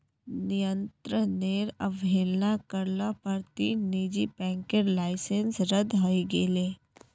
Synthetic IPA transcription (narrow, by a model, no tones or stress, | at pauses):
nijənt̪ɾəneːɾəʋʱeːlnakəɾlapəɾt̪iːniːd͡ʒipɛ̃ːŋkeɾlaːɪsẽnsɾəd̪ɦaiɡeːleː